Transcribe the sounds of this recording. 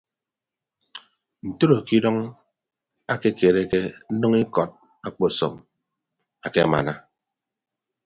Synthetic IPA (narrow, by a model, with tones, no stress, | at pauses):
n̩˨to˦ɾo˨ki˦dɔ˦ŋ | a˦ke˦ke˨ɾe˦ke˦n̩˦nɔ˦ŋi˦kɔ˨t̚ | a˦k͡pɔ˦˨sɔ̰˨m | a˨ke˦a̰˨ma̰˨na˦